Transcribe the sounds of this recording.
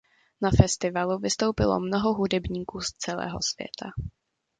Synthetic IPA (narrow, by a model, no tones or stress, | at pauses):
nafɛst̪ɪvaluvɪst̪o̞wpɪlo̰mnoɦo̞ɦudɛbɲiːkuːst͡sɛlɛ̰ːɦo̞̰sv̥jɛ̰t̪ʰa